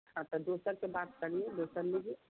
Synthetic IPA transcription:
ɦãt̪ɔd̪osəɾkebat̪kəɾied̪oːsəɾliɡi

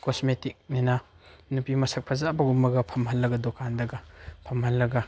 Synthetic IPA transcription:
kosmetik̚ninɐ | nupimɐsɐk̚pʰɐzabɐɡumɐɡɐpʰɐmɦɐlːɐɡɐdokandɐɡɐpʰɐmhɐlːɐɡɐ

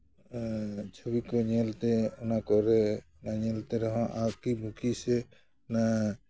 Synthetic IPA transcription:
t͡ʃʰobikɔɲelt̪ɛɔnakɔɾɛ | naɲelt̪ɛɾɔɦɔ̃ʔakibʱukisɛ | na

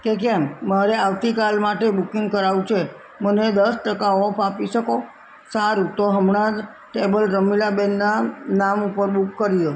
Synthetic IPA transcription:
kekɛmmaɾeaʋt̪ikalmaʈebukiŋɡkəɾaʋt͡ʃʰe | məned̪əsʈəkaopapiʃəko | saɾũt̪oɦəmɳa | ʈebəlɾəmilabɛnːanamupəɾbukːəɾijo

